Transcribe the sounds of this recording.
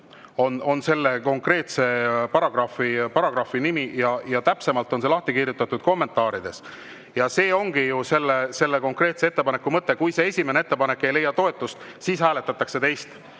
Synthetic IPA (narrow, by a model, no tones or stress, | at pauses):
o̞no̞nse̞lːe̞ko̞ŋkre̞ːt̪se̞pɑɾɑɡ̥rɑfipɑɾɑɡɾɑfinimijɑjɑt̪æpse̞mɑlt̪ːˑo̞nse̞lɑht̪ikirjut̪ːˑɑt̪ːud̥̪̚ko̞mːe̞nt̪ːˑɑːɾid̪̥e̞s | jɑse̞ːo̞ŋɡ̥ijuse̞lːese̞lːeko̞ŋkˑre̞ːt̪seet̪ːe̞pɑne̞kːumɤt̪ˑːe̞kujse̞esʲime̞neet̪ːepɑne̞kːe̞jle̞jːɑt̪o̞e̞t̪ːˑust̪ | siːshæːle̞t̪ːˑɑt̪ːˑɑkse̞t̪e̞jst̪